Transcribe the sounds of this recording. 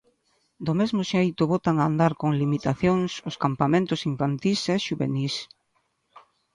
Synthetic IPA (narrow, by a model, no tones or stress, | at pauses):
d̪ʊmezmʊʃejt̪ʊβot̪aŋand̪aɾkoŋlimit̪aθjoŋsʊskampamẽnt̪ʊsiɱfant̪isɛʃuβḛnis